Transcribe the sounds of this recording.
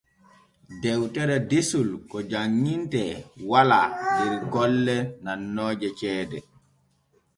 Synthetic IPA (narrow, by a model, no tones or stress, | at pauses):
dɛwtɛɾɛdesulkɔd͡ʒaŋːintɛwaladɛɾɡɔlːɛnanːɔːd͡ʒɛt͡ʃɛːdɛ